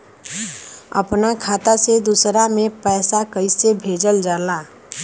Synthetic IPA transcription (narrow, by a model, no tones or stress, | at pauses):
ə̰pnakʰat̪ased̪usɾamẽpɛːsakəɪsebʱeːd͡ʒəld͡ʒaːla